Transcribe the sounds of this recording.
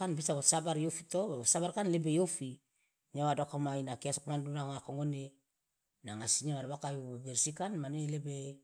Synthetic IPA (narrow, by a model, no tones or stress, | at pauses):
anbisaβosabaɾjofitosabaɾkanlebejofi | ɲawadokamajnakiasokamandunaoŋakoŋone | naŋasiɲaβaɾbakajuabeɾsikanmanelebe